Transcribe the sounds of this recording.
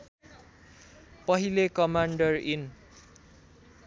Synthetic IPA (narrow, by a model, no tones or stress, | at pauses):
pʌɦilekʌmaɳɖʌrin